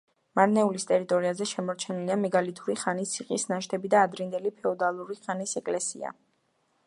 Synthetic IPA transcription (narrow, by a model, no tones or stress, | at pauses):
maɾnɛulist̪ʼɛɾit̪ʼɔɾiazɛʃɛmɔɾt͡ʃʰɛniliamɛɡalit̪ʰuɾiχanit̪sʰiqʼisnaʃt̪ʰɛbid̪aːd̪ɾind̪ɛlipʰɛɔd̪alˠuɾiχanisɛkʼlɛsḭa̰